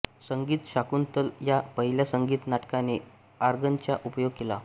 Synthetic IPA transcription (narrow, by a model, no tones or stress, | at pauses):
səŋɡiːt̪ɕakunt̪əljapəɦiljasəŋɡiːt̪naʈkane | aɾɡənt͡ɕjaʔupəjoɡ̚kela